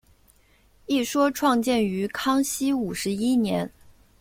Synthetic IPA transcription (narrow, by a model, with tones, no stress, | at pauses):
i˥˩ʂwɔ˥ʈ͡ʂʰwɑ˥˧ŋt͡ɕjɛ˥˩ny˧˥kʰɑ˥ŋɕi˥u˨˩ʂɻ̩˧˥i˥njɛ̰˧˥n